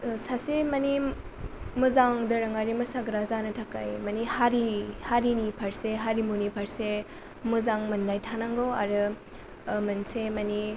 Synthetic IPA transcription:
sasemɐni | mɯzaŋdɐɾɐŋaɾimɐsaɡɾazanɯtʰaka̰jmɐnihaɾihaɾinipʰaɾseɦaɾimunipʰaɾse | mɯzaŋmɐndajtʰanaŋɡowa̰ɾɯ | mɐnsemɐni

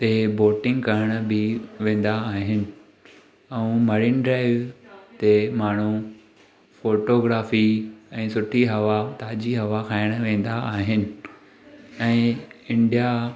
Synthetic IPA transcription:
t̪eboːʈɪ̃ŋɡkɐɾəɽ̃bɪʋẽːn̆d̪aːɦɪnɪ̆ | ɛũmɐɾɪnɖɾaːɪʋt̪emaːɳ̤u | foːʈoːɡɾaːfiɛ̃ːsʊʈʰiɦɐʋat̪aːd͡ʑiɦɐʋakʰaːɪɽ̃ʋẽːn̆d̪aaːɦɪnɪ̆ | ɛ̃ːɪ̃ɳɖija

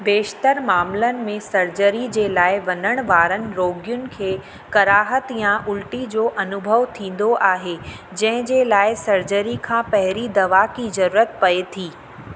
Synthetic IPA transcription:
beːʃt̪əɾmaːmlənɪ̆mẽsɐɾd͡ʑəɾid͡ʑeːlaːɪʋɐnəɽ̃ʋaːɾənɪ̆ɾoːɡɪjʊnɪ̆kʰeː | kɐɾaːɦət̪jãʔʊlʈid͡ʑoːʔɐnʊbʱəʋt̪ʰĩːn̆d̪oʔaːɦed͡ʑɐ̃ɦɪ̃d͡ʑeːlaːɪsɐɾd͡ʑəɾikʰãːpɐɦɪɾid̪ɐʋakizɐɾuːɾət̪̚pɐet̪ʰiː

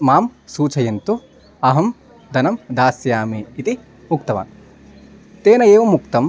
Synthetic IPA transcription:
maːmsuːt͡ʃʰɐjɐnt̪u | ɐɦɐm | d̪ɐnɐmd̪aːsjaːmiit̪i | mukt̪ɐʋa̰ːn | t̪eːnɐeːʋɐmukt̪ɐm

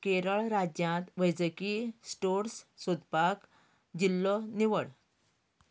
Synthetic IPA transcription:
keɾəɭɾad͡ʑjãt̪ʋəjd͡zəkisʈoɾssud̪pak | d͡ʑilːɔniʋəɭ

